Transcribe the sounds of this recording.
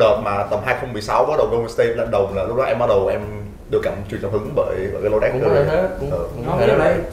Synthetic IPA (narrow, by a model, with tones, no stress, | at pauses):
əː˨˩t̚maː˨˩t̪ə˨˩mɦaː˧jxə˧wŋ͡mmɨ˨˩əjsa˨˦wɓɔ˨˦˥ɗə˨˩wkə˧wn˧˩st̪e˧t̚lə̰ː˧˨˩nɗə˨˩wŋ͡mlaː˨˩lʊ˦˥k̚ɗɔ˨˦ʔɛ˧mɓa˦˥ɗə˨˩wʔɛ˧m | ɗɨ˧əkːaː˧˩mt͡ɕwi˧˩ənt͡ɕɔ˧˩hɨ˨˦ŋɓə̰ː˧˨jɓəː˧˨kaː˨˦jlo˧ɗɛ˦˥k̚ːəː˧˨˦ʔəː˧˩˨